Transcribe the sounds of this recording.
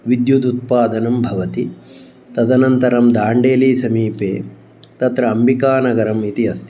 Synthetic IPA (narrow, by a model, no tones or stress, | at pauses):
ʋid̪jud̪ut̪̚paːd̪ɐnɐmbʱɐʋɐt̪i | t̪ɐd̪ɐnɐnt̪ɐɾɐmd̪aːɳɖeːliːsɐmiːpḛː | t̪ɐt̪ɾɐɐmbikaːnɐɡɐɾɐmit̪iɐst̪i